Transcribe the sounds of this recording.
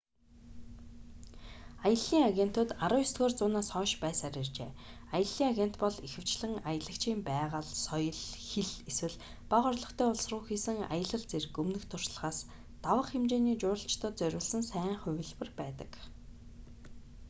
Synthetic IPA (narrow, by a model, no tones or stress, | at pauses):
ajə̆ɮːiːŋaɣʲen̥t̪ʊːt̪aɾʊːist̪̚ɡoːrt͡sʊːnaːsχɔːʃpæːsaɾʲiːrt͡ɕḛː | ajə̆ɮːiːŋaɣen̥t̪pɔɮixɘ̆w̥t͡ɕɮɘ̆ŋajə̆ɮə̆kt͡ɕʰiːmpæːʁəɮsɔjɞ̆ɮxeɮeswɘ̆ɮ | paʁɔrɮɞ̆kt̪ʰæːʊɮsrʊːxiːsɘ̆ŋa̰jə̆ɮə̆ɮt͡serɘkɵmnɘ̆xt̪ʰʊr̥ʃɮə̥̆χaːs | t̪awə̆χxemt͡ɕeːniːt͡ɕʊːɾə̆ɬt͡ɕʰt̪ʰə̆ːt̪̚t͡sœɾʲʊ̆ːɮsɘ̆nsæːɴχʊ̟wʲɘ̆ɮpɘ̆rpæːt̪ə̥̰̆k